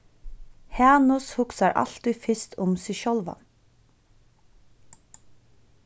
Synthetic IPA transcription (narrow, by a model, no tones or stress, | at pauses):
hɑːnʊshʊksɑɾʔɑ̰lt̪ɪfɪst̪ʰʊmsʏʃɔlʋɑ̰n